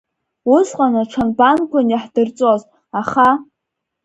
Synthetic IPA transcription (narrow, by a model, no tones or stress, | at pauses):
ʊsqʼanɨʈ͡ʂʷʰanbanɡʷanjaħdɨrt͡sʼoz | aχa